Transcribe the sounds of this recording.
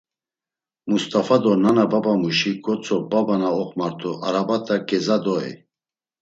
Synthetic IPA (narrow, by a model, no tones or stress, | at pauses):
must̪ʼafad̪ɔnanababamuʃiɡɔt͡sʰʼɔbabanaɔχʼmaɾt̪ʰɔʔaɾabat̪ʰʼaɡɛzad̪ɔɛ̰